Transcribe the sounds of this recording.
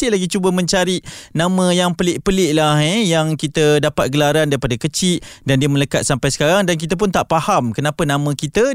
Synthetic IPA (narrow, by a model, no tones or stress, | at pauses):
ɪlaɡit͡ʃubəmə̃ɲt͡ʃaɾinãmə̃jaŋpəlɪʔpəlɪʔlahejaŋkit̪ədapat̪̚ɡəlaɾandaɾipadakət͡ʃɪʔdandiəmə̃ləkat̪̚sampajsə̥kaɾaŋdank̬it̪̬əp̬ʊnt̪aʔpahamkənapənãmə̃kit̪ə